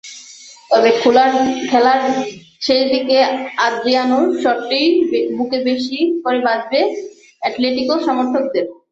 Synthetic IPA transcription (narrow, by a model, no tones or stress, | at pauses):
t̪ɔbekʰulaɾkʰɛlaɾ | ʃejd̪ikead̪ɾianoɾʃɔʈːejbukebeʃikoɾebad͡ʑbe | ɛʈleʈikoʃɔmoɾt̪ʰok̚d̪eɾ